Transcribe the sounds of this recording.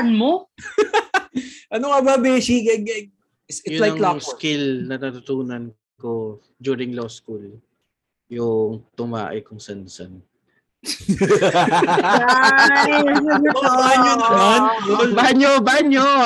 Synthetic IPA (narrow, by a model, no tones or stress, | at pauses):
nmo | ʔɐnoɐbɐbɛsikɐɡɐ | ɪsɪjʊlajklaŋskɪlnɐnat̪ʊt̪uːnɐn | ko | d͡ʒuːɾɪŋloskul | jʊŋt̪ʊma̰ːʔɪ̰kʊŋsɐnsɐn | baɲonɐnonbaɲobaɲo